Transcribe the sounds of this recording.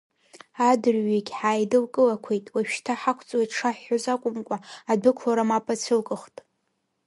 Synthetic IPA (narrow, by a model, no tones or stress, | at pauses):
adɨrɥikʲʼħaːjdɨlkʼɨlakʷʰejtʼwaʃʃtʰaħakʷʰt͡sʼwetʰʼʈ͡ʂʰaħːozakʷʼʊmkʷʼaadɨkʷʰlaɾamapʼat͡sʷʰɨlkʼɨχtʼ